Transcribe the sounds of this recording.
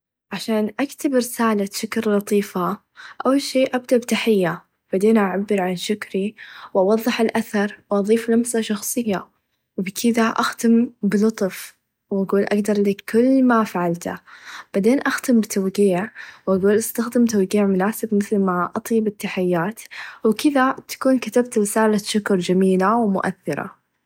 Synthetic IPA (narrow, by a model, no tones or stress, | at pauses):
ʕaʃaːnʔakt̪abɾɪsaːlaʃʊkɾlɑt̪ˤiːfa | ʔawːalʃeːʔab̚d̪aʔbt̪aħɪjːa | b̥aʕd̪eːnʔaʕabːɪɾʕanʃʊkɾiwʔɑwɑðˤːɨħɪlʔaθɑɾˤwʔɑðˤiːflamsaʃɑxsˤɨjːa | wbkʰɪd̪aʔaxt̪ɪmbɪlʊt̪ˤf | wʔaɡuːlʔaɡd̪ɑɾˤliːkʰːʊlːmafaʕalt̪a̰b̥aʕd̪eːnʔaxt̪ɪmbɪt̪ʰawɡiːʕwʔaɡuːlʔɪst̪axd̪ɪmt̪awɡiːʕmʊnaːsɪbmɪθlmaʔɑt̪ˤjbɪt̪ːaħɪjːaːt̪wɪkɪðat̪ḁkuːnkat̪ab̚t̪ɾɪsaːlaʃʊkɾˤd͡ʒamiːlawmʊ̰ʔa̰θːɪɾa̰